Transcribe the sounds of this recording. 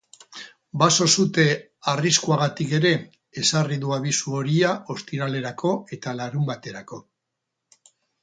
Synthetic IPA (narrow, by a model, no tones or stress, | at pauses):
baso̞sut̪e̞ | ariskuaɣ̞at̪ike̞ɾe̞ | esariðuaβisuo̞ɾiaʔo̞st̪iɾale̞ɾakʰo̞e̞t̪alaɾumbat̪e̞ɾako̞